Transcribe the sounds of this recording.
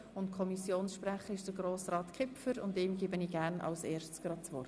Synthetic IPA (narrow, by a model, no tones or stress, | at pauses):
ʊntkʰɔmisjoːnsʃpɾæχəɪʃd̥əɡɾoːsɾɑːt̪kʰɪpfəɾʊ̰ndɪːmɡiːbəniːɡæːɾnʔɑ̰ʊseːɾʃtsɡ̥ɾɑt̚t͡sʋɔrt